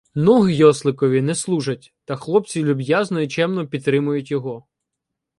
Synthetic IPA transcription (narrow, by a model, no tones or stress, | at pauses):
nɔɦjɔslˠɪkɔʋʲinɛslˠuʒɐt̚ʲt̪ɐxlˠɔp̚t͡sʲilʲʊbjaznɔit͡ʃɛmnɔpʲid̪t̪ːɾɪmʊjʊtʲjɔɦɔ